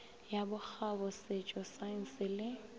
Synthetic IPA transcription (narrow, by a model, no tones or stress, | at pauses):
jabʊk͡xʰabɔset͡ʃʼɔsan̩sɪlɪ